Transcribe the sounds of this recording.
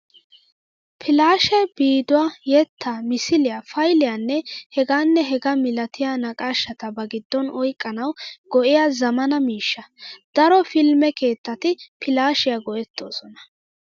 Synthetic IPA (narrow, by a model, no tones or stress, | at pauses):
pʰɪlaːʃɛbiːd̪ʊwaːjɛt̪ːamɪsɪlɪjafɐjlɪjaːnːɛhɛɡaːnːɛɦɛɡɐmɪlɐt̪ɪjaːnɐkʼaːʃːɐt̪ɐbɐɡɪd̪ːɔnɔjkʼːɐnɐwɡɔʔɪjaːzɐmɐnɐmiːʃːɐd̪̥ɐɾɔfɪlmɛke̞ːt̪ːɐt̪ɪpʰɪlaːʃɪjaɡɔʔɛt̪ːo̞ːsɔnɐ̥